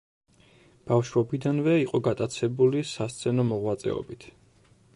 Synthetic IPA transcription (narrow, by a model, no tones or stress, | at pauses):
b̥afʃɾɔbid̪anvɛiqʼɔɡat̪ʼat̪sʰɛbulisast̪sʰɛnɔmɔʁwat̪sʼɛ̰ɔ̰bit̪ʰ